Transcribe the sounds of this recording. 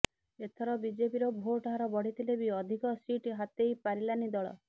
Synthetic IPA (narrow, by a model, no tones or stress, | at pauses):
et̪ʰɔɾɔbid͡ʒepiɾɔbʱoʈɦaɾɔbɔɽ̤it̪ʰilebiɔd̪ʱikɔsiʈɦat̪ejpaɾilanid̪ɔɭɔ̰